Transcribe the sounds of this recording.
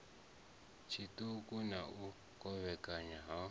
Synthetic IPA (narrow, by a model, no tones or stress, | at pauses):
t͡ʃʰitukʼunaʔu | kʼɔβɛkʼaɲaɦa